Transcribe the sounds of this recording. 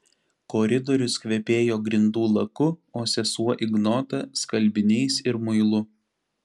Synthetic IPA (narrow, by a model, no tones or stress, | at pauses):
kɔɾʲɪd̪ɔɾʲʊskʋʲɛpʲeːjoːɡɾʲɪnd̪uːlˠɐkʊoːsʲɛsuɔʔɪɡnɔːt̪ɐskɐlʲbʲɪnʲɛɪsɪɾmʊɪlˠʊ